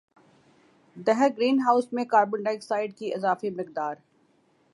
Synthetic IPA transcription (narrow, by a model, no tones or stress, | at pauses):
d̪ɛɦɛɾɡɾiːnɦaːʊsmẽkaːɾbəɳɖaɪksaːɪɖ̚kiʔɪzaːfemɪq̚d̪aːɾ